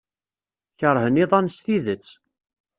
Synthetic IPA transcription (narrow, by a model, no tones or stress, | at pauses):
çəɾˤɦəniðˤɑnsθiðət͡sː